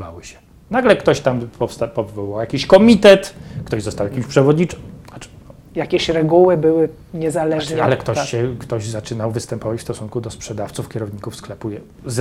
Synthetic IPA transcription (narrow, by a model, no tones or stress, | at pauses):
va̰wɘɕɛ̥ | naɡlɛkt̪ɔɕt̪ampɔfst̪apɔvvɔwɔjakʲiɕkɔmʲit̪ɛt̪kt̪ɔʑzɔst̪awjakʲimɕpʂɛvɔd̪ɲiḁ | jakʲɛɕɾɛɡuwɘbɘwɘ | ɲɛzalɛa̰lɛkt̪ɔɕɕɛkt̪ɔʑzat͡ʂɘnawvɘst̪ɛmpɔvat͡ɕfst̪ɔsunkud̪ɔspʂɛd̪aft̪sufkʲɛɾɔvɲikufsklɛpujɛ | z